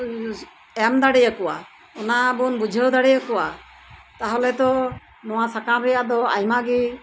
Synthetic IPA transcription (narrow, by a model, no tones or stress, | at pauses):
ɛmd̪aɽɛjakɔwa | ɔnabunbud͡ʒʱəwd̪aɽɛjəkɔwa | t̪aɦɔlɛt̪ɔ | nɔwasakamɾɛjaʔd̪ɔajmaɡi